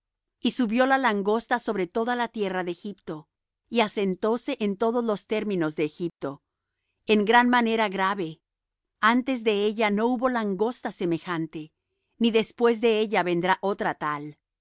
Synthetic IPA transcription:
isuβjo̞lalaŋɡo̞st̪aso̞βɾe̞t̪o̞ðalat̪je̞raðeexipt̪o̞ | iase̞nt̪o̞se̞ʔent̪o̞ðo̞zlo̞st̪e̞ɾmĩno̞zðe̞ːxip̚t̪o̞ | eŋɡɾanmane̞ɾaɣɾaβe̞ | ant̪e̞zðe̞eʝano̞uβo̞laŋɡo̞st̪ase̞me̞xant̪e̞ | niðe̞spwe̞zðe̞e̞ʝaβe̞nd̪ɾaʔo̞t̪ɾat̪al

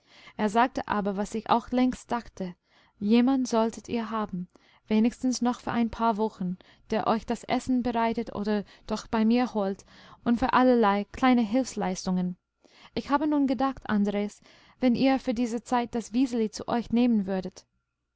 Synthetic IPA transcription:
ʔeːɐzaːk̚təʔa̰ːbɐvasɪça̰ʊxlɛŋstd̥axtə | jeːmantz̥ɔltʰətʰḭːɐɦaːbm̩ | v̥eːnɪçstn̩snɔχfyːɐʔaɪnpʰaːɐvɔxn̩ | d̥eːɐʔɔ̰ʏçd̥asʔɛ̰sn̩bəʁaɪtətʔo̰ːdɐ | d̥ɔxb̥aɪmiːɐhoːltʔʊntfyːɐʔalɐlaɪkʰl̥aɪnəɦɪlfslaɪstʊŋən | ʔɪçhaːbənuːnɡədaχtʔa̰ndʁeːs | vɛniːɐfyːɐdiːzət͡saɪt̚d̥asv̥iːzəlit͡sṵʔɔʏçneːmənvʏɐdət

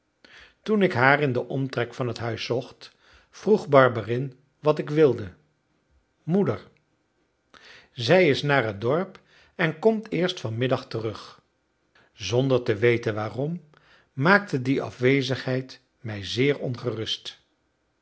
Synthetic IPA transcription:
tunɪkɦaːɹɪndəʔɔmtrɛkfɑnɦətɦœɥsɔχt | v̥ruχbɑɹbərɪn | ʋɑtɪkʋɪlˠdə | mudəɹ | zɛjɪsnaːrɦədɔɹp | ɛnkɔmtʰɪːɹstfɑnmɪdɑχtərɵχ | zɔndəɹtəʋejtənʋaːrɔmː | aːk̚tədiɑ̰fʋejzəχɦɛjt | mɛjzɪːɹɔnχərɵst

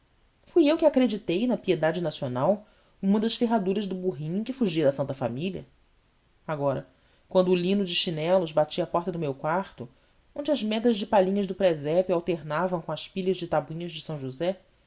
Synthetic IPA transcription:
fujewkɪakɾed͡ʒit̪ejnɐpied̪ad͡ʒɪnasionaw | ũmɐd̪ɐʃfeɦad̪uɾɐzd̪ʊbuɦĩkɪfuʒiɐd̪ɐsɐ̃nt̪ɐfa̰miliɐ̰ | aɡɔɾɐ | kwɐ̃nd̪ʊːlĩnʊd͡ʒɪʃinɛlʊzbat͡ʃiapɔɾt̪ɐd̪ʊmewkwaɾt̪ʊ | õñd͡ʒɪɐzmɛd̪ɐʒd͡ʒɪpaʎĩɲɐzd̪ʊpɾɛzɛpɪawt̪eɾnavɐ̃w̃kõɐʃpiʎɐʒd͡ʒɪt̪abuĩɲɐzd͡ʒɪsɐ̃w̃ʒuzɛ

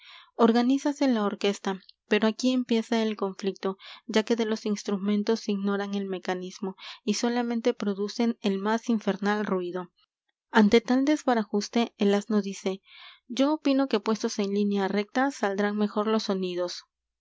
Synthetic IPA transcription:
o̞ɾɣanisase̞lao̞ɾke̞st̪ape̞ɾo̞akie̞mpje̞sae̞lko̞ɱflik̚t̪o̞ʝake̞ðe̞lo̞sinst̪ɾumẽ̞nt̪o̞siɣno̞ɾaŋe̞lme̞kanizmo̞iso̞lamẽ̞nt̪e̞pɾo̞ðuse̞nelmasiɱfe̞ɾnalrwiðo̞ | ant̪e̞t̪ald̪e̞zβaɾaxust̪e̞ːlaznoðise̞d͡ʒo̞ːpino̞ke̞pwe̞st̪o̞se̞nlinjare̞k̚t̪asald̪ɾaŋme̞xo̞ɾlo̞sːo̞nið̞o̞s

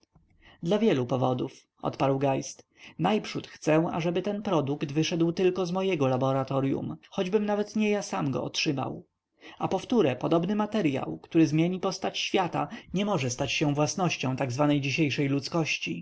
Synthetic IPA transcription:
d̪lavʲjɛlupɔvɔd̪uf | ɔ̰t̪paɾwɡajst̪ | najpʂut̪xt̪sɛwa̰ʐɛbɘt̪ɛnpɾɔd̪ukt̪vɘʂɛd̪wt̪ɘlkɔzmɔjɛɡɔlabɔɾat̪ɔɾjṵmxɔd͡ʑbɘmnavɛt̪ɲɛjasamɡɔ̰ɔtʂɘma̰w | apɔft̪uɾɛpɔd̪ɔbnɘmat̪ɛɾja̰wkt̪uɾɘzmʲjeɲipɔst̪at͡ɕɕfʲjat̪a̰ɲɛmɔʐɛst̪at͡ɕɕɛ̃vwasnɔɕt͡ɕɔ̃w̃t̪aɡzvanɛjd͡ʑiɕejʂɛjlut̪skɔɕt͡ɕi

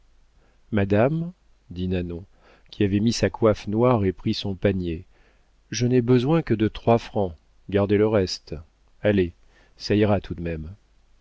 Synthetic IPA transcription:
mad̪am | d̪inanɔ̃ | kʲiavɛmisakwafnwaʁepχisɔ̃paɲe | ʒənɛbəzwɛ̃kəd̪ət̪χwafχɑ̃ | ɡaʁd̪eləʁɛst̪ | ale | saiʁat̪ʰud̪mɛm

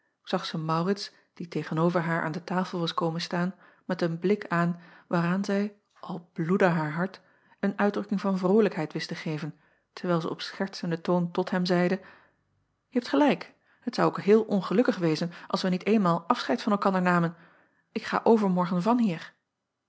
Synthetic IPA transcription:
z̥ɑχsəmɑwrɪts | d̥itejχənowvəɹɦaːɹʔa̰ːndətaːfəl̩ˠʋɑskowmənstaːn | mɛtənblɪkaːnʋaːraːnzɛj | ʔɑlˠb̥ludəɦaːɹɦɑɹt | ənœɥdrɵkɪŋvɑnvrowləkɦɛjtʋɪstəχejvən | təɹʋɛjlˠzə̰ɔpsχɛɹtsəndətowntɔtɦɛmzɛjdə | jəɦɛptχəlɛjk | ɦətsɑwokɦɪːlˠʔɔnχəlɵkəχʋejzənʔɑ̰lˠsʋənitejnmaːlˠʔɑfsχɛjtfɑnɛlˠkɑndəɹnaːmən | ɪkχa̰ːʔowvəɹmɔɹχənvɑnɦiːɹ

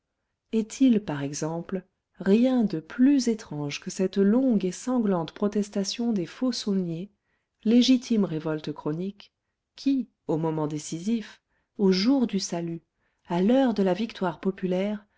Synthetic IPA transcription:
ɛt̪ʰilpaʁɛɡzɑ̃pl | ʁjɛ̃d̪əplyzet̪χɑ̃ʒkəsɛt̪lɔ̃ɡesɑ̃ɡlɑ̃t̪pχɔt̪ɛst̪asjɔ̃d̪efosunje | leʒit̪ʰimʁevɔlt̪kχɔnikʲʰː | i | omɔmɑ̃d̪esizif | oʒuʁd̪ysaly | alœʁd̪əlavikt̪waʁpɔpylɛːʁ

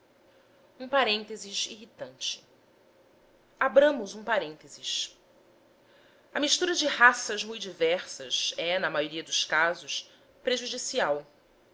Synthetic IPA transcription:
ũpaɾẽnt̪eziziɦit̪ɐ̃nt͡ʃɪ̥ | abɾɐ̃mʊzũpaɾẽnt̪eziʃ | ɐmiʃt̪uɾɐd͡ʒɪhasɐzmujd͡ʒivɛχsɐzɛnɐmajoɾiɐd̪ʊʃkazʊʃ | pɾeʒud͡ʒisiaw

